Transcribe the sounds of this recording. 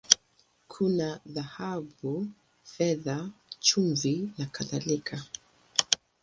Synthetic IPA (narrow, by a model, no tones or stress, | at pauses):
kʰunaðahabu | fɛðat͡ʃuɱvinakaðalikʰa